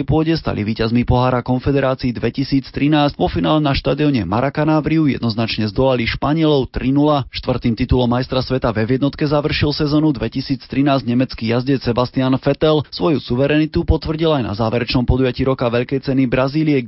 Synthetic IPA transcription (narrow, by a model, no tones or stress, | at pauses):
jpʊɔɟɛst̪a̰lʔḭʋiːcazmipɔɦaːɾakɔnfɛd̪ɛɾaːt͡siid̪ʋɛcisiːt͡st̪ɾinaːsʋɔfinaːlɛnaʃt̪aːd̪iɔɲɛma̰ɾakanaːʋɾiujɛ̰d̪nɔznat͡ʃɲɛzd̪ɔlaliʃpaɲɪɛlɔʊt̪ɾinulaʃt̪ʋr̩t̪iːmt̪it̪ulɔmːajst̪ɾasʋɛt̪avɛvjɛd̪nɔt̪kɛzaʋr̩ʃilsɛzɔːnud̪ʋɛcisiːt͡st̪ɾinaːzɲɛmɛt͡skijazɟɛsɛbast̪ianfɛt̪ɛlsʋɔjusuʋɛɾɛnit̪upɔt̪ʋr̩ɟilajna̰zaːʋɛɾɛt͡ʃnɔmpɔd̪ujaciːɾɔkaʋɛʎkɛjt͡sɛnibɾaziːliɛ